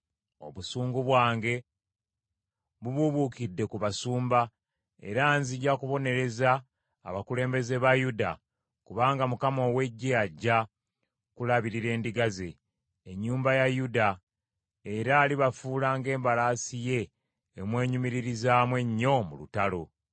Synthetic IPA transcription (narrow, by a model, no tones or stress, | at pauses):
o̞̰βusuːŋɡuβwaːŋɡe̞ | βuβuβukidːe̞kuβasuːmba | e̞̰ɾanziɟakuβo̞ne̞ɾe̞za̰ː | βakule̞ːmbe̞ze̞βajuda | kuβaːŋɡamukamo̞ːwe̞ɟːeaɟːa | kulaβiɾiɾe̞ːndiɡaze̞ː | ɲːuːmbajajuda | eɾaːliβafuːlaːŋɡe̞ːmbalaːsije̞ː | mwe̞ːɲumiɾiɾizaːmwe̞ɲːo̞mṵlṵtalo̞